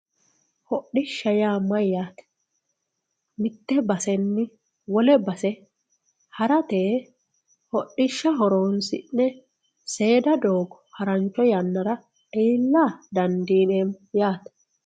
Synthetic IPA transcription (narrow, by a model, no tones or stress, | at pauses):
hɔɗːɪʃːɐjaːmːɐjːaːt̪ɛ̥ | mɪt̪ːɛbɐsɛnːɪ | wɔlɛbɐsɛ | hɐɾɐt̪eː | hɔɗːɪʃːɐɦɔɾonsɪ̰nːɛ | se̞ːd̪ɐd̪oːɡɔhɐɾɐnt͡ʃːɔjɐnːɐɾɐ | iːlːaːd̪ɐnd̪iːnemjaːt̪